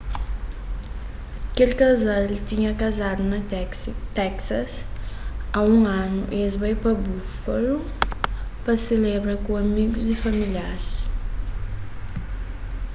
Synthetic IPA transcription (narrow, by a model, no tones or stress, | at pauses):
kelikazalt̪iɲɐkazad̪unɐt̪ɛksɐs | aũanṵʔezbajpabufɐlu | pɐselebɾɐkũamiɡuzifamiliaɾs